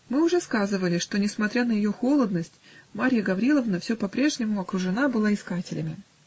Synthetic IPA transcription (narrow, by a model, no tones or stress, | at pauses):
mɨʊʐɛskazɨvəlʲɪʂt̪o̞nʲɪsmɐt̪ɾʲanəjɪjo̞xo̞lˠəd̪nəsʲtʲ | maɾʲjəɡɐvɾʲilˠəvnəfsʲopɐpɾʲe̞ʐnʲɪmʊɐkɾʊʐɨnabɨlˠaɪskatʲɪlʲɪmʲɪ